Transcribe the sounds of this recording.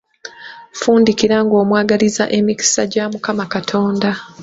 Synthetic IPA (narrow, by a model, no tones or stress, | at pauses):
fuːndikiɾaŋɡo̞ːmwaːɡaliza̰ʔe̞miki̥saɟamukamakatʰo̞ːnda